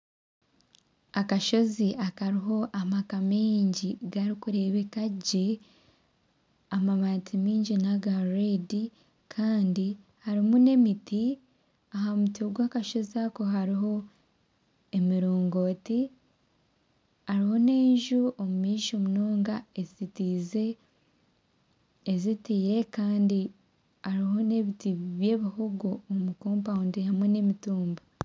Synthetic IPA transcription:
akaʃo̞ziʔakaɾiɦo̞ʔamakameːɲɟiɡaɾikuɾe̞βe̞kaɟe̞ | amamatʰimiːɲɟinaɡaɾedi | kʰaːndi | haɾimune̞miti | aɦamutiɡwaːkaʃo̞ziakoɦaɾiɦo̞ | emiɾoːŋɡo̞ːti | aɾiho̞ne̞ːɲʒuʔomumiːʃo̞munoːŋɡaezitize̞ | ezitiːɾe̞kaːndi | aɾiɦo̞ne̞βitiβje̞ːβihoɡoːmukoːmpaundihamwe̞ne̞mituːmba

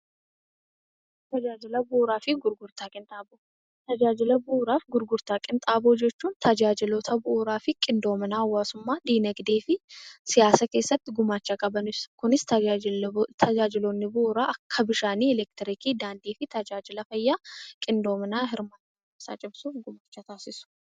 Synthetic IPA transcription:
t̪ɐd͡ʒaːd͡ʒɪlɐbʊuːɾaːfɪɡʊɾɡʊɾt̪aːkʼɪnt̪ʼaːboː | t̪ɐd͡ʒaːd͡ʒɪlɐbuːɾaːfɡʊɾɡʊɾt̪aːkʼɪnt̪ʼaːboːd͡ʒɛt͡ʃːuːnt̪ʰɐd͡ʒaːd͡ʒɪlot̪ʰɐbʊːɾaːfɪkʼɪnd̪o̞ːmɐnaːɐwːaːsʊmːaːd̪iːnɐɡd̪eːfɪsɪjaːsɐke̞ːsːɐt̪ːɪɡʊmaːt͡ʃːakʼɐbɐnɪskʊnɪst̪ɐ | t̪ʰɐd͡ʒaːd͡ʒɪloːnːɪbʊʔːɾaːʔɐkʰːɐbɪʃaːniːɛlɛk̚t̪ɪɾɪkiːd̪aːnd̪iːfɪt̪ɐd͡ʒaːd͡ʒɪlɐfɐjːaːkʼɪnd̪o̞ːmɐnaːɦɪɾmaːt̪ | ɪbsa̰ːt͡ʃʼɪbsuːfɡʊmaːt͡ʃːat̪aːsɪsʊ̥

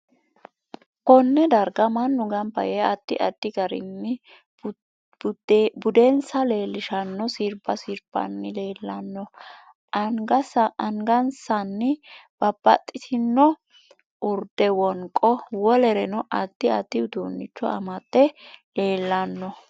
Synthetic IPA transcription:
kɔnːɛd̪ɐɾɡɐmɐnːʊɡɐmpːɐ̰jɛɐt̪ːɪʔɐd̪̥ːɪɡɐɾɪ̰nːɪ | bʊd̪ɛnsɐle̞ːlːɪʃɐnːɔsiɾbɐsiɾb̥ɐ̰nːɪle̞ːlːɐnːɔ | ɐŋɡɐsɐŋɡɐnsɐnːɪb̥ɐbːɐ̰t̪ʼːɪt̪ʰɪnːɔ | ʔʊɾd̪ɛwɔŋkʼɔwɔlɛɾɛnɔʔɐt̪ːɪɐ̰t̪ːɪʊd̪o̰ːnːɪt͡ʃːɔ̰ʔɐ̰mɐt̪ʼːɛle̞ːlːɐnːɔ

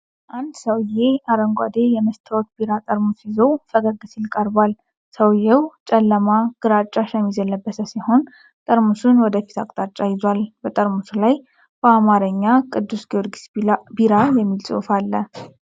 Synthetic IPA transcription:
ʔand̪səwjeaɾəŋɡʷa̰d̪e̞jɛməst̪ʰəot̪biɾat̪ʼəɾmusɪzo̞fəɡəɡɨsilkʼəɾbal | səwjewt͡ʃʼɛlːəmaɡ̥ɨɾat͡ʃʼːaʃamːizəlːəbːəsəsijho̞n | t̪ʼəɾmusunwɔd̪əfi̥t̪ʰa̰kʼt̪ʼat͡ʃʼːajɪzwalbət̪ʼəɾmusulaj | b̥əamaɾəɲːakʼɨd̪ːusɡioɾɡisbiɾajɛmːilsʼṵwfalːə

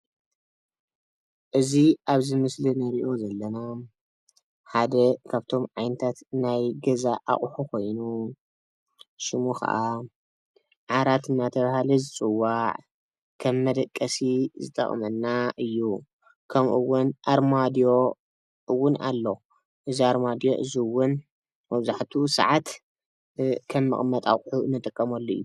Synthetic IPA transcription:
ʔɨziʔaβzɨmɨslinɐɾiʔo̞zɐlːɐna | ħad̪ɐkʰaβt̪ʰo̞mʕajnɐt̪ʰat̪najɡɐzaʔa̰χʼħukʰo̞jnu | ʃɨmuxʰɐ̰ʔa | ʕaɾat̪ɨnːat̪ʰɐβahalizɨt͡sʼɨwːaʕ | kʰɐmːɐd̪ɐkʼːɐsizɨt̪ʼɐ̰χʼmɐnːaɨjːu | kʰɐmʔɨwːʊnʔaɾmad̪ijo̞ | ʔɨwːʊna̰lːo | ʔɨziaɾmad̪ijo̞̰ʔɨziwʊn | mɐβzaħt̪ʰusɐ̰ʕat̪ | kʰɐmːɨ̰χʼmɐt̪ʼa̰χʼħunːɨt̪ʼɨkʼːɐmɐlːoɨ̰jːu

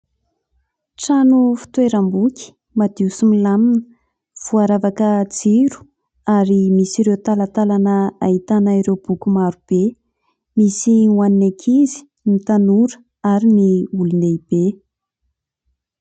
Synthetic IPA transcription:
ʈ͡ʂanufi̥t̪weɾambukʲi̥ | mad̪iusimilaminə̥ | v̥uaɾavakəd͡ziɾu̥ | aɾimisiɾewt̪alat̪alanəaɦit̪anaiɾewb̥ukumaɾub̥e | misiŋwaninekʰizi̥ | nit̪anuɾə̥ | aɾiniuluneib̥e

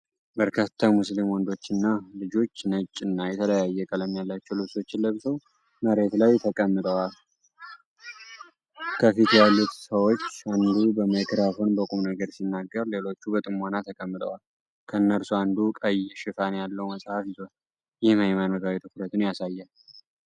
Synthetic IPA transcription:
bəɾkʰat̪ʰːamuslimwɔnd̪o̞t͡ʃːɨnːalɨd͡ʒo̞t͡ʃːnət͡ʃʼːɨnːajɛt̪ʰələjajːɛkʼələmːjalːat͡ʃːɛwlɨβso̞t͡ʃːɪlləβsəw | məɾe̞t̪lajt̪ʰəkʼəmːɨd̪ʼəwal | kʰəfit̪jalːut̪səwo̞t͡ʃːand̪ubəmajkɾafo̞nbəkʼumnəɡəɾsinːaɡːəɾle̞lo̞t͡ʃːubət̪ʼɨmːanat̪ʰəkʼəmːɨd̪ə̰wal | kʰəɨnːəɾsuand̪ukʼəjːɛʃɪfanjalːəwməsʼhafjɪzon | jɛhməjmanok̪awet̪ʰɨkuɾət̪ʰunjasajːal

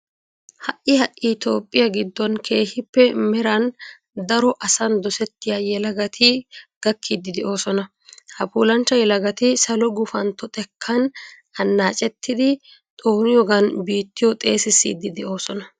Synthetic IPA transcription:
hɐʔːɪhɐʔɪt̪o̞ːpʼːɪjɐɡɪd̪ːɔnkʰe̞ːhɪpːɛmɛɾɐn | d̪ɐɾɔʔɐsɐnd̪ɔsɛt̪ːɪjajɛlɐɡɐt̪ʰɪɡ̥ɐkʰːid̪ːɪd̪ɛʔo̞ːsɔnɐ | hɐpuːlɐnt͡ʃːɐjɛlɐɡɐt̪ɪsɐlɔɡʊfɐnt̪ɔt̪ʼɛkʰːɐn | ɐnːaːt͡ʃʼɛt̪ʰːɪd̪ɪ | t̪ʼoːnɪjɔɡɐnbiːt̪ːɪjɔt̪ʼe̞ːsɪsːḭːd̪ːɪd̪ɛʔo̞ːsɔnɐ

